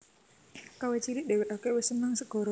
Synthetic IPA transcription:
kawet͡ʃiɾɪʔ̚de̤wɛʔ̪okewɪsənaŋsəɡ̥ɔ̤ɾo

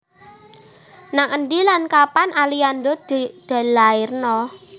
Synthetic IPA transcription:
naŋənɖilankapanʔaliandɔdd̪̥a̤laɪrnɔ

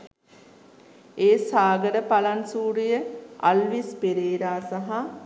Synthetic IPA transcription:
eːsaːɡəɖəpalansuːɾijəa̰lʋispeɾeːɾaːsaɦa

